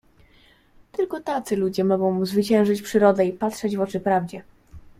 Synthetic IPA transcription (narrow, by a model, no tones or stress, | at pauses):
t̪ɘlkɔt̪at̪sɘlud͡ʑɛmɔɡɔ̃w̃muzvɘt͡ɕɛ̃w̃ʐɘt͡ɕpʂɘɾɔd̪ɛipatʂɛd͡ʑvɔt͡ʂɘpɾavd͡ʑɛ